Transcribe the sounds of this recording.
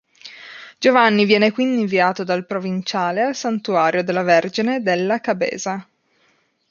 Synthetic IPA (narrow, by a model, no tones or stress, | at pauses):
d͡ʒovanːivjɛːnekwind̪iɱviaːt̪od̪alpɾovint͡ʃaːlealsant̪uaːɾʔjod̪elːaverd͡ʒined̪elːakabḛːza